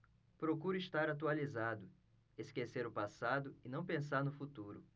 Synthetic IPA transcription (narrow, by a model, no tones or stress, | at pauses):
pɾokuɾʊɪst̪aɾat̪ualizad̪ʊ | eskeseɾʊpasad̪ʊɪnɐ̃w̃pẽs̬aɾnʊfut̪uɾʊ